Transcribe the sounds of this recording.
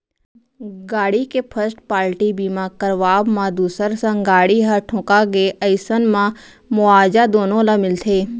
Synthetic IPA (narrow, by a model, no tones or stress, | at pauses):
ɡaːɽikepʰəɾsʈ̚paːɾʈibiːmãkəɾʋaːbmãd̪uːsəɾsə̃ŋɡaːɽiɦəʈʰʊ̃kaɡeʔəɪsənmã | mʊaːd͡ʒad̪oːnõlamɪlt̪ʰeː